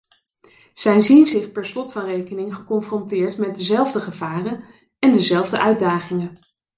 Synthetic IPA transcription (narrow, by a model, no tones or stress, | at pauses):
z̥ɛjzinzɪχpɛɹslɔtfɑnrejkənɪŋχəkɔnfrɔntɪːɹtmɛt̚dəzɛlˠvdəχəv̥aːrən | ɛndəzɛlˠvdəʔœɥd̚daːχɪŋə